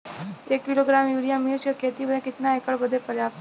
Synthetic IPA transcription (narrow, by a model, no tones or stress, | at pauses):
ekːiloɡɾamjuɾijamiɾsjəkʰet̪iːbəɾẽkit̪naekəɭbəd̪ʱːepəɾjap̚t̪